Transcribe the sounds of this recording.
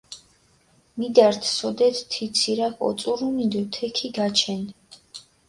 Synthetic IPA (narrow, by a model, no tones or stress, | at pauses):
mid̪aɾt̪ʰsɔd̪ɛt̪ʰt̪ʰit̪sʰiɾakʰɔ̰t̪sʼuɾumid̪ɔt̪ʰɛkʰiɡat͡ʃʰɛn